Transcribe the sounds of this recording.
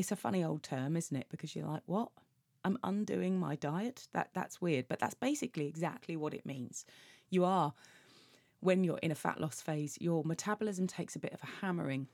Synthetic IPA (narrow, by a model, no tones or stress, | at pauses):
ɪtsəfʌ̰ñioʊlˠd̚tʰɜːmɪzn̩tɪʔ̚b̥ɪkʰʌzjə̰la̰ɪkwɒt̚ | ãɪ̃mʔʌ̰̃ndʉ̰ːɪ̃ŋma̰ɪdaɪətðə̰ʔða̰tswɪəd̚b̥ʌʔða̰tsb̥eɪsɪkliɪɡza̰k̚tʰˡliwɒɾɪ̰ʔmĩːnz̥jəə | wə̃njəɹʔɪ̰̃nəfa̰ʔlʔɒsfeɪzjəmətʰabəl̩ɪzə̃mtʰeɪksəbɪtəv̥əhamə̰ɹɪ̃ŋ